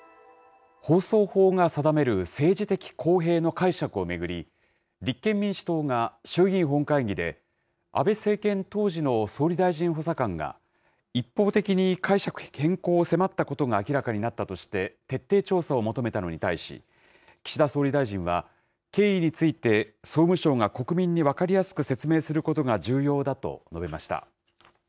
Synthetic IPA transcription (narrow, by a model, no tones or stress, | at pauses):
ho̞ːso̞ːho̞ːŋasad̪ame̞ɾɯ̟se̞ːʑit̪e̞kʲi̥kʰo̞ːɦe̞ːno̞kaiɕakɯ̟o̞me̞ɡɯ̟ɾʲi | ɾʲikːẽ̞mːʲĩɰ̃ɕi̥t̪o̞ːŋaɕɨːɡʲĩɰ̃ɦõ̞ŋkaiɡʲid̪e̞̰ | a̰be̞se̞ːkẽ̞nt̪o̞ːʑino̞so̞ːɾʲid̪aiʑĩɰ̃ɦo̞sakãŋɡa̰ | ipːo̞ːt̪e̞kʲiɲ̟ikʰaiɕakɯ̟̥hẽ̞ŋko̞ːse̞mat̪ːako̞t̪o̞ɡaːkʲiɾakaɲ̟inat̪ːat̪o̞ɕi̥t̪e̞t̪e̞t̪ːe̞ːt͡ɕo̞ːsao̞mo̞t̪o̞me̞t̪ano̞ɲ̟it̪aiɕḭ | kʲi̥ɕid̪aso̞ːɾʲid̪aiʑĩɰ̃βa̰ | ke̞ːiɲ̟it͡sɨit̪e̞so̞ːmɯ̟ɕo̞ːŋako̞kɯ̟mʲĩɲ̟ːiβakaɾʲijasɨ̥kɯ̟se̞t͡sɨme̞ːsɨɾɯ̟ko̞t̪o̞ɡaʑɨːjo̞ːd̪at̪o̞̰no̞be̞maɕi̥t̪a̰